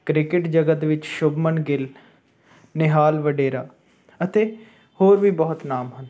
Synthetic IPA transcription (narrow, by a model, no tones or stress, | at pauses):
kɾɪkɪʈd͡ʒəɡət̪ʋɪt͡ʃʃʊbmənɡɪl | nɪɦaːlʋəɖeːɾa̰ː | ət̪eː | hoːɾʋiːbɔːʊt̪naːmɦʊnd̪